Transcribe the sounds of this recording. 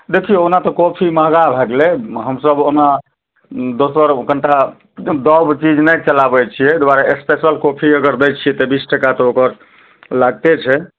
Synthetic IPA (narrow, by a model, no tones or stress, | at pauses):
d̪ekʰijeonat̪ɔkopʰiməɦɡabʱeɡleɦəmsəbona | d̪osəɾkəɳʈa | d̪əbt͡ʃid͡ʒnəjt͡ʃəlabɛt͡ʃʰijɛd̪waɾaespesəlkopʰiəɡəɾd̪ɛjt͡ʃʰijɛt̪ɔbisʈʰəkat̪ɔokəɾ | laɡ̚t̪et͡ʃʰɛ